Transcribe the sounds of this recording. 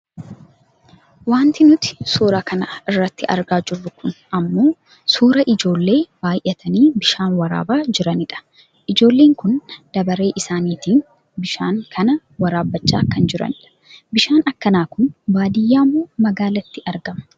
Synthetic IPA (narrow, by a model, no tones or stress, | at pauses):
waːnt̪ɪnʊt̪ɪ̥suːɾakɐnɐɪrːɐt̪ːɪʔɐ̰ɾɡaːd͡ʒɪrːʊkʊnʔɐmːo̞ː | suːɾɐʔɪd͡ʒo̞ːlːe̞ːbaːjʔɛt̪ʰɐniːbɪʃaːnwɐɾa̰ːbaːd͡ʒɪɾɐnɪᶑɐ̥ | ʔɪd͡ʒo̞ːlːeːŋkʊnd̪̥ɐbɐɾe̞ːʔɪsaːniːt̪iːn | bɪʃaːŋkʰɐnɐ | wɐɾaːbːɐt͡ʃːa̰ːkːɐnd͡ʒɪɾɐ̰nɪᶑɐ̥ | bɪʃaːnɐkːɐnaːkʊnbaːd̪ɪjːaːmːoːmɐɡaːlɐt̪ːɪʔɐɾɡɐmɐ̥